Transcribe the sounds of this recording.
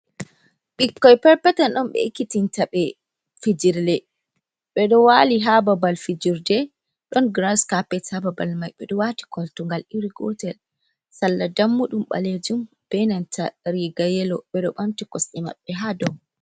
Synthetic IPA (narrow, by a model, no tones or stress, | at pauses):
ɓikːɔjpɛɾpɛtanɗɔnɓɛ̰ikːitintaɓɛ | fid͡ʒiɾlɛ | ɓɛɗɔwaliɦababalfid͡ʒiɾdɛ | ɗɔnɡɾaskapːɛtababalmajɓɛɗɔwati̥kɔltuŋɡaliɾiɡɔ̰tɛl | salːadamːuɗumɓa̰led͡ʒum | b̥ɛnantʰaɾiɡajɛlɔɓɛɗɔɓamtikɔsɗɛma̰ɓːɛɦadɔ